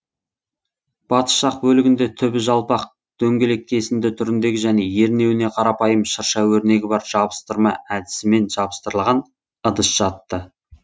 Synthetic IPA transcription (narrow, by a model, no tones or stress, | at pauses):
b̥ɑt̪ə̥sʃɑq̚bɵlɪɡʲɪnd̪e̞t̪ʰʏbɪʒɑlˠpɑq | t̪ʰɵŋɡʲe̞le̞k̚ʲʰːesɪnd̪ɪt̪ʰʏɾɪnd̪e̞ɡʲɪʒæne̞je̞ɾne̞wɪne̞qʰɑɾɑpɑjəmʃəɾʃɑwɵɾne̞ɡʲɪbɑɾʒ̥ɑbəst̪əɾmɑʔæd̪ɪ̥sɪme̞nʒɑbəst̪əɾəlˠʁɑn | əd̪əsʒ̥ɑt̪ːə